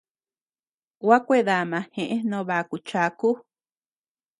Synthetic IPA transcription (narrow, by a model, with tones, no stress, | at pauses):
wa˦kʷe˦ða˨mã˨˧hẽ˨ʔẽ˦nõ˧βa˨ku˨t͡ʃa˧ku˦